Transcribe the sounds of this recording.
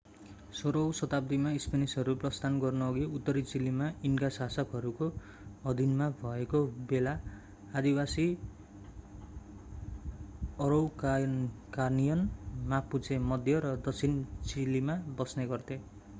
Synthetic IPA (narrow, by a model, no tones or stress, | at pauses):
soɾʌwsʌt̪ap̚d̪imaispenisʌɾuprʌst̪ʰanɡʌrnuʌɡiut̪ːʌɾit͡silimainkasasʌkɦʌɾuko | ʌd̪ʱinmabʱʌekobelaː | d̪iwasi | ʌɾʌwkkarnijʌnmaput͡sʰemʌd̪ʱjʌɾʌd̪ʌt͡sʰint͡silimabʌsneɡʌrt̪e